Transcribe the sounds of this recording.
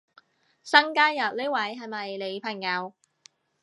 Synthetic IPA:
sɐ˥ŋkaː˥njɐ˨t̚le˥wɐ˨˥jɦɐ˨jmɐ˨jle˨˧jpʰɐ˨˩ŋjɐ˨˧w

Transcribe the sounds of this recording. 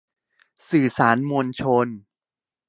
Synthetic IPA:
sɯː˨˩saː˩˦nmo˧nt͡ɕʰo˧n

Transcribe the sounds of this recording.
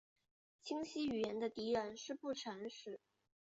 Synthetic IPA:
t͡ɕʰi˥ŋɕi˥y˨˩jɛ˧˥nd̪ə˧t̪i˧˥ɻə˧˥nʂɻ̩˥˧pu˥˩ʈ͡ʂʰa˧˥nʂɻ̩˨˩˦

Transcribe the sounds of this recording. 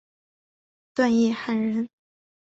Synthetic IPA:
t̪wa˥˧njɛ˥˩xa˥˩nɻə˧˥n

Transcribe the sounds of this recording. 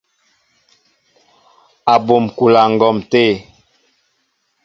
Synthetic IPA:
a˨bo˨mku˨la˨ŋ̩˨ɡɔ˨mte˦˨

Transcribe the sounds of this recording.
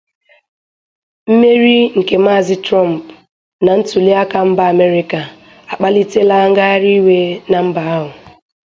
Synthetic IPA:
m̩˦me˦ɾi˦ŋ̩˨ke˨m̩˦a˦˨zɪ˦tɾɔ˦˨m̩˨p | na˨n̩˦tu˨li˦a˦ka˦m̩˦ba˦a˨me˦ɾi˦ka˨ | a˨k͡pa˦li˦te˦la˦ŋ̩˦ɡa˦ɾi˦we˦na˨m̩˦ba˨a˦ɦʊ˨

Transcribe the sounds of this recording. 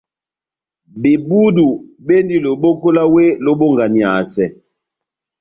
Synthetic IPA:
be˨bu˦du˨be˦ndi˦lo˨bo˦ko˦la˦we˦lo˦bo˦ŋɡa˨ni˨a˨sɛ˨

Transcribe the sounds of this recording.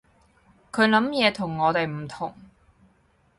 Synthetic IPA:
kʰɵ˨˧ɥlɐ˨˥mjɛː˨˧t̪ʰʊ˨˩ŋːɔː˨˧t̪e˨jm̩˨˩t̪ʰʊ˨˩ŋ

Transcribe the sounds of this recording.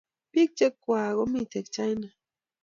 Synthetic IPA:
pi˦k̚t͡ʃe˦kːwa˨ɣɔ˦mi˦˨tɛ˨k̚t͡ʃa˦jna˨

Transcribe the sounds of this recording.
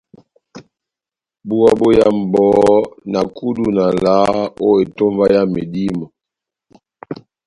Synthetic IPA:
bu˦a˦bo˦ja˦m̩˨bɔ˨˦na˨ku˦du˦na˨la˨˦o˦e˨to˦mva˦ja˦me˨di˦mɔ˨

